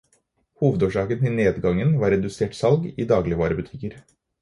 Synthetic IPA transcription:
huːʋəd̪oːʂɑːkənt̪ʰɪlneːd̪ɡɑŋənʋɑːɾɛd̪ʉseːʈsɑlɡiːd̪ɑːɡlɪəʋɑːɾəbʉt̪ʰɪkəɾ

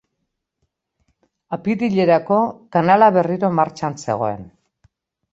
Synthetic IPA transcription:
apiðiʎe̞ɾako̞kanalaβe̞riɾo̞maɾt͡ʃanse̞̰ɣ̞o̞̰e̞̰n

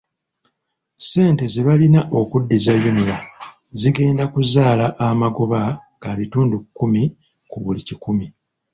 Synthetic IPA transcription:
se̞ːnte̞zeβalinaʔo̞kudːizajomila | ziɡe̞ːndakuzaːlaʔamaɡo̞βa | ɡaβituːndukːumi | kuβulicikumi

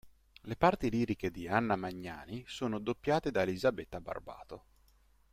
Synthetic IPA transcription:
lepart̪iliːɾiked̪ianːamaɲːa̰ːnisoːnod̪opːjaːt̪ed̪aelizabet̪ːaba̰rba̰ːt̪o

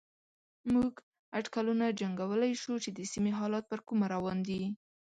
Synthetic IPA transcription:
muɡ | aʈkalunad͡ʒaŋɡawəlajʃut͡ʃed̪əsimeɦɑlɑt̪̚pəɾkumaɾawɑnd̪i

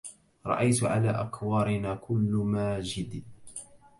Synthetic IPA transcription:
ɾˤɑ̰ʔajt̪ʕalaːʔakwɑːɾɪnaːkʰʊlːʊmaːd͡ʒɪd̪i

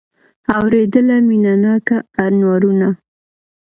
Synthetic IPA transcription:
awɾed̪əlaminanɑkaːnwɑɾuna

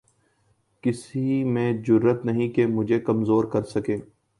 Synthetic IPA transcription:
kɪsimẽːd͡ʒʊɾːət̪nɐɦĩkemʊd͡ʒʱekɐmzoːɾkɐɾsɐkẽː

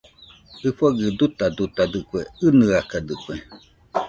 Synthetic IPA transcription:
ɨfaɡɨd̪ut̪ad̪ut̪ad̪ɨkweɨnɨakad̪ɨkwe

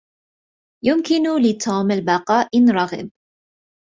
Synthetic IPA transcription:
jʊmkɪnʊlɪt̪ʰoːmalbɑqɑːʔɪnɾˤɑɣɪ̰b̚

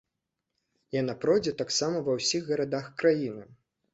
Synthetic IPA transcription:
janapɾɔjd͡zʲɛt̪aksamɐvɐwsʲiɣɣɐɾad̪axkɾajinɨ

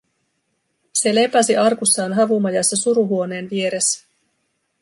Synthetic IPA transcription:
se̞le̞pæsiʔɑrkusːɑːnɦɑʋumɑjɑsːɑsuɾuɦuo̞ne̞ːnʋie̞ɾe̞sːæ̥

